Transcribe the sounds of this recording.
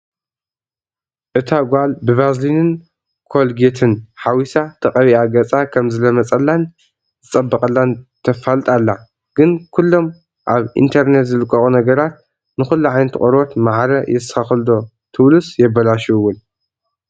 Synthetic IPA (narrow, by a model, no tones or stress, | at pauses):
ʔɨt̪ʰaɡʷalbɨβazlinɨn | kʰo̞lɡet̪ʰɨnħawisat̪ʰɐqʼɐβiaɡɐt͡sʼakʰɐmzɨlɐmɐt͡sʼɐlːan | zɨt͡sʼɐbːɐkʼɐlːant̪ʰɐfalt̪ʼalːa | ɡ̥ɨnkʰulːo̞m | ʔaβḭnt̪ʰɐɾnet̪zɨlɨkʼːɐxunɐɡɐɾat̪̚ | nɨxulːuʕajnɨt̪ʰɨ̰χʼɐɾot̪maʕɾɐjɛsɨ̥xɐxld̪o̞ | t̪ʰɨβlusjɛbːɐlaʃuɨwːun